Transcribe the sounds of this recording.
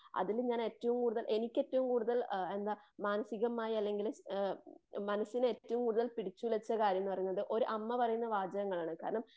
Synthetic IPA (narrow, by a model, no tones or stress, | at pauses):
ɐ̰ðilɲaːne̞ːtːɐʋumkuːɽuðɐlʔe̞nikʲːe̞tːɐʋumkuːɽuðɐle̞nd̪amaːnɐsiɣɐmaːjiɐlːe̞ŋɡil | mɐnɐsːineːttːɐʋumkuːɽuðɐlpiɽit͡ɕːulɐt͡ɕːɐkaːɾjɐmnːɨpɐrɐjunːɐðɨʔo̞ɾuʔɐmːɐpɐrɐjunːɐʋaːd͡ʑɐɣɐŋːɐɭaːɳɨkaːɾɐɳɐm